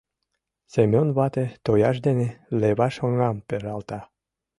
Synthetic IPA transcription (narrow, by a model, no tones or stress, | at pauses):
semʲonβɑt̪et̪ojɑʃ̬d̪eneleβɑʃŏŋɑmpeɾɑlt̪ɑ